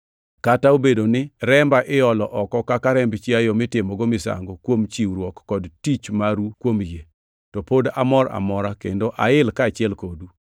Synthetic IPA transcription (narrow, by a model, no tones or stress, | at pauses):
kataobedonɪɾɛmbaʔɪɔlɔʔɔkɔkakaɾɛmbt͡ʃiajɔmɪtɪmɔɡomɪsa̰ŋɡokwomt͡ʃiwɾwɔkːɔdtit͡ʃmaɾukwomje | tɔpoda̰mɔɾa̰mɔɾakḛndoʔaɪlkaːt͡ʃɪɛlkodu